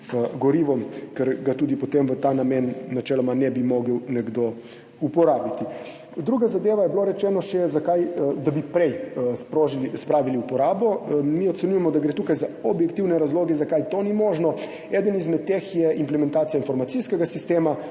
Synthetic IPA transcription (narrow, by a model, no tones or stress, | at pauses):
əɡɔɾiʋɔmkɛɾɡat̪uːd̪ipɔt̪emʋət̪aːnamenːat͡ʃɛːlɔmanɛbimoːɡəwnɛɡd̪o | upɔɾaːbit̪i | d̪ɾuːɡazad̪eːʋajɛbloɾɛt͡ʃɛːnɔʃɛzakajd̪abipɾɛjspɾoːʒilispɾaːʋiliupɔɾaːbɔmioɔt̪sɛnʲujɛmɔd̪aɡɾeːt̪uːkajzaobjɛkt̪iwnɛɾazloːɡɛzakajt̪onimoːʒnɔ | ɛːd̪ənizmɛt̪̚t̪ːexjɛʔimplɛmɛnt̪aːt̪ijainfɔɾmat̪siskɛɡasist̪eːma